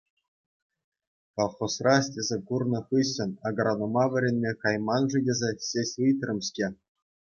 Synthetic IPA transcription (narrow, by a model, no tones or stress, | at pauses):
kolˠχosrɑsʲtʲezʲekurnɤ̆χɯɕʲɤ̆nɑɡɤ̆ɾɑnumɑʋʲɘ̆ɾʲenʲmʲekɑjmɑnʐɯdʲĕzʲeɕʲesʲɯjt̪rɤ̆mɕtʲe